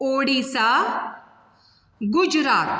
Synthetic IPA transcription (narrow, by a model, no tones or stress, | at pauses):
oːɽisa | ɡʊd͡ʒɾaːt̪